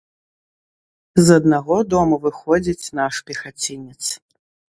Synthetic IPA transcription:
zɐd̪̚naɣɔd̪ɔmuvɨxɔd͡zʲit͡sʲnaʂpʲɛxat͡sʲinʲit̪s

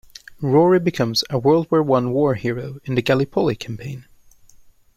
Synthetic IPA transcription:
ɹɔɹibɨkʰʌ̃mzəwɜ˞lˠd̚wɛɹwʌ̃nwɔɹhiɹoʊɨ̃nðɨɡælˠɨpʰolˠikʰæ̃mpʰẽɪ̃n

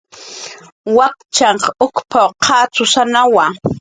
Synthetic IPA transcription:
wakt͡ʃaɴqʊkpʰawqʰɑːt͡sʊsanawa

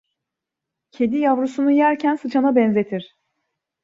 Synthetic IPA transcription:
cʰe̞d̪ijavɾusunujæɾcʰænsɯt͡ʃʰanabɛnze̞t̪ʰiɾ̝̥

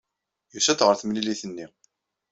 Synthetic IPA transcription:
jusæt̪ʁəɾθəmliliθənːi

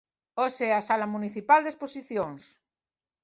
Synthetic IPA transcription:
oseasalamuniθipald̪esposiθjoŋs

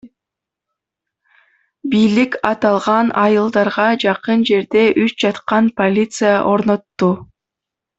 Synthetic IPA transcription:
bijlikɑt̪ɑlˠʁɑnɑjɯlˠd̪ɑɾʁɑd͡ʒɑqɯnd͡ʒe̞ɾd̪e̞ʔyt͡ʃd͡ʒɑt̪qɑnpo̞lʲit̪sɨjaʔo̞ɾno̞t̪ːu

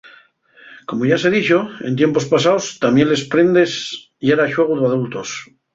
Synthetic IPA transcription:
ko̞moʝase̞ðit͡ʃo̞e̞nt̪̬je̞mpo̞spasaost̪amje̞nle̞spɾe̞nd̪es | jeɾaʃwe̞ɣ̞uðaðult̪os

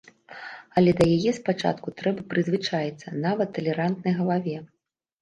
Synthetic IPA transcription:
ɐlʲɛd̪ɐjajɛspat͡ʂa̰t̪kut̪ɾɛbɐpɾɨzvɨt͡ʂajit̪sːɐ̰navɐt̪ːɐlʲɛɾant̪nɐjɣɐlˠavʲɛ

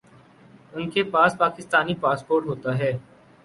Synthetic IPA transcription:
ʊnkepaːspaːkɪst̪aːnipaːspoːɾʈɦoːt̪aɦɛː

